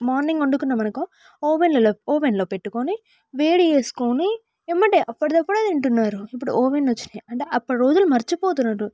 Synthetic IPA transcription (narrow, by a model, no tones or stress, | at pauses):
maːɾniŋɡoɳɖukːunːɐmɐnɐkːõ | oːpenlɐlooːpenloːpeʈːɯkoːni | ʋeːɽieːskoːni | ɛmːɐʈeʔɐpːɐɽɐt̪ɐpːuɽɐɐðiɳʈunːaːɾuipːuɽṵʔoːpenɐt͡ʃːi̥neɐɳʈeʔɐpːɐɽɐɾoːd͡ʒɐlmɐɾɐt͡ʃːupoːt̪̬unːaːɾu